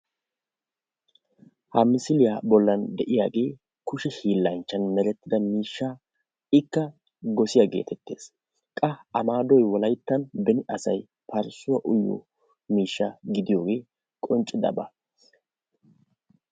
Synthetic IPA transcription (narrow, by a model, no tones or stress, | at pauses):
hɐmɪsɪlɪjabɔlːɐnd̪ɛʔɪjaːɡe̞ː | kʊʃɛhiːlːɐnt͡ʃːɐnmɛɾɛt̪ːɪd̪ɐmiːʃːaː | ɪkːɐ | ɡɔsɪjaɡe̞̰ːt̪ʰɛt̪ːe̞ːs | kʼɐɐmaːd̪ɔjwɔlɐjt̪ːɐnbɛnɪʔɐsɐj | pɐɾsʊwɐʔʊjːɔ̰ | miːʃːaɡɪd̪ɪjo̞ːɡe̞ː | kʼɔnt͡ʃʼːɪd̪ɐ̰bɐ̰